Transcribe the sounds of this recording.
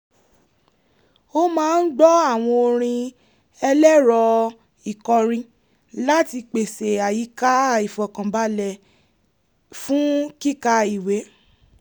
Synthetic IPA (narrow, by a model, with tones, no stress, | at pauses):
o˦mãː˦n̩˦ɡ͡bɔ˦a˦˨w̃ɔ̃˧o˧ɾ̃ĩ˧ | ɛ˧lɛ˦ɾɔ˧ | i˨kɔ˨ɾ̃ĩ˧ | la˦ti˧k͡pe˨se˨a˨ji˨˦ka˦˨i˨fɔ˨kã˨ba˨˦lɛ˦˨ | fũ˦ki˦ka˧i˨we˨˦